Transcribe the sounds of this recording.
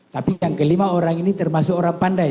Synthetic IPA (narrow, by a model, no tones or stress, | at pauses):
t̪apijaŋkəlimaoɾaŋinit̪ərmasʊkoɾaŋpanda